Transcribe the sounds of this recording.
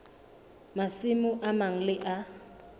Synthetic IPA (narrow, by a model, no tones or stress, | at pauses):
masɪmʊʔamaŋ̩lɪʔa